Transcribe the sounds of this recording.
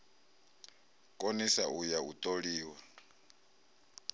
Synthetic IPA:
kʼonisaujaut̪ʼoɺiːwa

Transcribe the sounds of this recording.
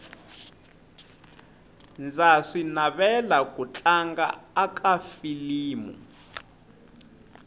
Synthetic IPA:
nd͡zaʂinaβɛlakʼut͡ɬʼaŋɡa̰ːkʼafiliːmṵ

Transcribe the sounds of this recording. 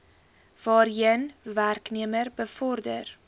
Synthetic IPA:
v̥ɑːɾiənværkniəmərbəfɔrdə̰r

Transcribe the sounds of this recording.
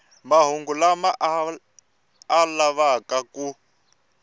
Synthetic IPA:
maɦuŋɡulamaʔ | laβakaku

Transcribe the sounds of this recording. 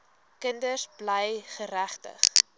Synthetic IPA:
kəndəsbləjχəɾæχtə̰χ

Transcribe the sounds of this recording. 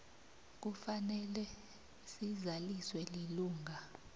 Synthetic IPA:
k̬ufanɛlɛ | sizaliswɛliluːŋɡʱa

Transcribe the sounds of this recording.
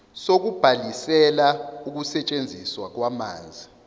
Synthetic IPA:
sok̬ub̥ʱalisɛlauk̬usɛt͡ʃʼend͡zʱiswak̬wama̰ːnd͡zʱi

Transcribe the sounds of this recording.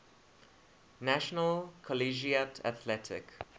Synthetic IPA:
næʃənəlˠkʰɔliʒiətʰə̰t̪ʰlɛtʰɪ̰k

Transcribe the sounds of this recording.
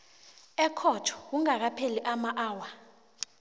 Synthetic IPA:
ɛkʰɔtʰɔ̥k̬uŋak̬apʰeliʔamaʔaːwa

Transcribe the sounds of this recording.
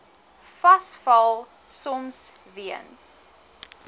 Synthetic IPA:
fɐsfɐlˠ | sɔmsviə̰ns

